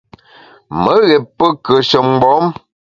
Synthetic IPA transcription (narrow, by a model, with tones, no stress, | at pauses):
mə˨˦ɣɛ˨pːə˦kə˨ʃə˨m˦ɡ͡bɔ˨˦m